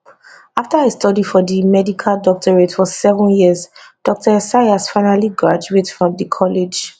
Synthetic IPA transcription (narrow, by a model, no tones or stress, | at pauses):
aftaestɔdifɔðimɛdikʰaldɔk̚tʰɔɹetfɔsɛvɔ̃njizd̥ɔk̚tʰəsaɪasfãɪnaliɡɹad͡ʒuetfɹɔ̃mdəkʰɔled͡ʒ